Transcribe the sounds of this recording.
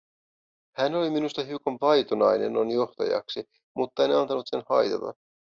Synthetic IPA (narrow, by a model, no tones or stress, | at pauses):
hæno̞liminust̪ɑɦiukonʋɑjt̪onɑjne̞̰nːonjo̞ht̪ɑ̰jɑ̰ksi | mut̪ːɑeneɑnt̪ɑnut̪se̞nhɑjt̪ɑt̪ɑ̰